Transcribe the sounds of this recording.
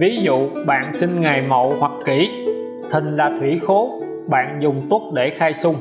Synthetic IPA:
vi˨˦zṵ˧˨ɓa̰ː˧˨nsi˧nŋa˨˩jmə̰˧˨whwa˨˩k̚ki˧˩˦ | t̪ʰï˨˩ŋ̟laː˨˩t̪ʰwḭ˧˩˦xo˨˦ | ɓa̰ː˧˨nzʊ˨˩ŋ͡mt̪ʊ˦˥ət̚ɗe˧˩xaː˧jsʊ˧ŋ͡m

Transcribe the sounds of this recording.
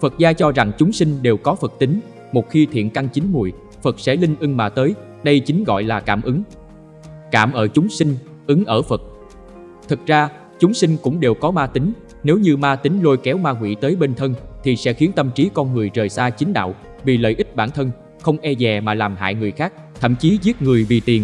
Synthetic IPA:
fə˨˩t̚zaː˧t͡ɕɔ˧za˨˩ŋt͡ɕʊ˨˦ŋ͡msï˧ŋ̟ɗe˨˩wkɔ˨˦fə˨˩k̚t̪ï˨˦ŋ̟ | mo˨˩t̚xi˧t̪ʰḭ˧˨ənka˧ŋt͡ɕï˨˦ŋmu˨˩j | fə˨˩t̚sɛ̰˧˥lï˧ŋ̟ʔɨ˧ŋmaː˧t̪əː˨˦j | ɗə˧jt͡ɕi˨˦ŋ̟ɣɔ̰˧˨jlaː˨˩kaː˧˩mʔɨ˨˦ŋ | kaː˧˩mʔəː˧˩t͡ɕʊ˨˦ŋ͡msi˧ŋ̟ | ʔɨ˨˦ŋʔəː˧˩fə˨˩t̚ | t̪ʰɨ˨˩k̚zaː˧ | t͡ɕʊ˨˦ŋ͡msï˧ŋ̟kʊ̰˧˥ŋ͡mɗe˨˩wkɔ˨˦maː˧t̪ï˨˦ŋ̟ | ne˨˦wɲɨ˧maː˧t̪ï˨˦ŋ̟lo˧jkɛ˨˦wmaː˧ŋwḭ˧˥t̪əː˨˦jɓe˧nt̪ʰə˧nt̪ʰi˨˩sɛ̰˧˥xi˨˦ənt̪ə˧mt͡ɕi˨˦kɔ˧nŋɨ˨˩əjzəː˨˩jsaː˧t͡ɕï˨˦ŋ̟ɗa̰ː˧˨w | vḭ˨˩lə̰ː˧˨jʔï˦˥t̚ɓaː˧˩nt̪ʰə˧n | xə˧wŋ͡mʔɛ˧zɛ˨˩maː˨˩laː˨˩mɦa̰ː˧˨jŋɨ˨˩əjxaː˦˥k̚t̪ʰə̰˧˨mt͡ɕi˨˦zi˦˥ət̚ŋɨ˨˩əjvḭ˨˩t̪i˨˩ən

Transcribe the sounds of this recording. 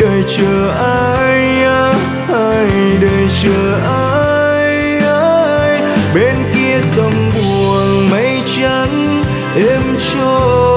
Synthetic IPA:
əː˨˩jt͡ɕəː˨˩ʔaː˧ | j | a˧ | a˧˩jɗəː˨˩jt͡ɕəː˨˩ʔaː˧ | j | a˧ | j | ɓe˧˦nki˧əsə˧mɓu˨˩ənmə˧˦jt͡ɕə˧˦ŋ | ʔe˧mt͡ɕ | o˧

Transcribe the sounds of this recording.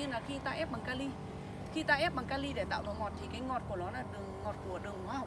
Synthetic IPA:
i˧ənlaː˨˩xi˧t̪aː˧ʔɛ˦˥p̚ɓaː˨˩ŋkaː˧li˧ | xi˧t̪aː˧ʔɛ˦˥p̚ɓa˨˩ŋkaː˧li˧ɗe˧˩t̪a̰ː˧˨wvɔ˨˩ŋɔ˨˩t̚t̪ʰi˨˩kaː˨˦jŋɔ˨˩t̚ku˧˩ənɔ˨˦laː˨˩ɗɨ˨˩əŋːɔ˨˩t̚ku˧˩əɗɨ˨˩əŋhwa˧h

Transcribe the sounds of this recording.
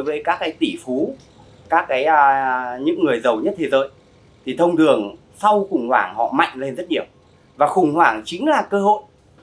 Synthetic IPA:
o˨˦jvəː˨˦jkaː˦˥kːaː˨˦jt̪i˧˩fu˨˦ | kaː˦˥k̚ːaː˨˦jəː˧ɲɨ̰˧˥ŋːɨ˨˩əjzə˨˩wɲə˦˥t̚t̪ʰe˨˦zə̰ː˨˦j | t̪ʰi˨˩t̪ʰə˧wŋ͡mtɨ˨˩əŋ | sa˧wxʊ˨˩ŋ͡mhwa̰ː˧˩ŋhɔ̰˧˨ma̰˧˨jŋ̟le˧nzə˦˥t̚ɗi˧˩əw | vaː˨˩xʊ˨˩ŋ͡mhwaː˧˩ŋt͡ɕï˨˦ŋ̟laː˨˩kəː˧ɦo̰˧˨jʔ

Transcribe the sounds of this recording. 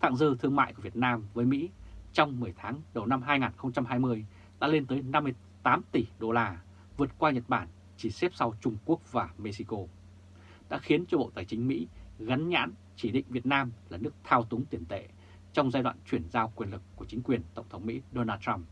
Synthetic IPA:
t̪ʰa̰˧˨ŋzɨ˧t̪ʰɨ˧əŋma̰ː˧˨jku˧˩vət̚naː˧mvəː˨˦jmḭ˧˥t͡ɕɔ˧wŋ͡mmɨ˨˩əjt̪ʰaː˨˦ŋɗə˨˩wna˧mɦaː˧jŋaː˨˩nxə˧wŋ͡mt͡ɕa˧mɦaː˧jmɨ˧əj | ɗa̰ː˧˥le˧nt̪əː˨˦jna˧mːɨ˧ə | t̪aː˨˦mt̪i˧˩ɗo˧laː˧ | vɨ˨˩ət̚kwaː˧ɲə˨˩t̚ɓaː˧˩n | t͡ɕi˧˩sɛ˦˥p̚sa˧wt͡ɕʊ˧ŋ͡mku˦˥ək̚vaː˨˩me˧si˧ko˧ | ɗa̰ː˧˥xi˨˦ənt͡ɕɔ˧ɓo̰˧˨t̪aː˨˩jt͡ɕï˨˦ŋ̟mḭ˧˥ɣa˨˦nɲa̰ː˧˥n | t͡ɕi˧˩ɗḭ˧˨ŋ̟vi˨˩ət̚naː˧mlaː˨˩nɨ˦˥ək̚t̪ʰaː˧wt̪ʊ˨˦ŋt̪i˧˩ənt̪ḛ˧˨ | t͡ɕɔ˧wŋ͡mzaː˧jɗwa̰ː˧˨nt͡ɕwi˧˩ənzaː˧wkwi˧˩ənlɨ˨˩kːu˧˩ət͡ɕï˨˦ŋ̟kwi˨˩ənt̪ə˧˩wŋ͡mt̪ʰə˨˦wŋ͡mmḭ˧˥ɗo˧naː˧t̚ta˧m

